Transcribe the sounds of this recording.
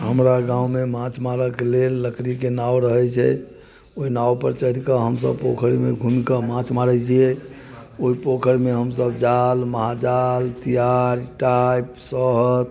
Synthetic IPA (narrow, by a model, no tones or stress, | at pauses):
ɦəmɾaɡãwmemãt͡ʃʰmaɾəkelelːəkɾikenawɾəɦɛt͡ʃʰɛ̰ | oinawpə̰ɾt͡ʃəiɾkəɦəmsə̰bpokʰəɾimeɡʱunkəmãt͡ʃʰmaɾɛt͡ʃʰijɛ | oɦipokʰəɾmeɦəmsəb̚d͡ʒalməɦad͡ʒalt̪ijaɾiʈajpsəɦt̪